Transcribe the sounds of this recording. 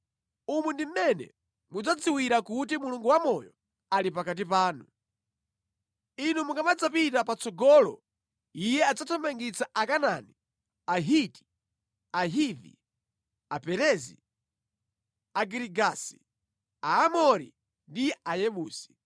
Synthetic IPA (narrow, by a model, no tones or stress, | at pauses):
umundim̩mɛnɛ̰ | mud͡zad͡ziwiɾakut̬imuluŋɡuwamɔjɔ | alipakat̬ipaːnu | inumuŋɡamad͡zapitapat͡sɔɡɔːlɔ̰ | ijɛad͡zatʰambaŋɡit͡sʰaʔakanani | aɦiti̥ | aɦivḭ | apɛɾɛzḭ | aɡiɾiɡasi̥ | aːmɔɾḭ | ndiajɛɓuːsi̥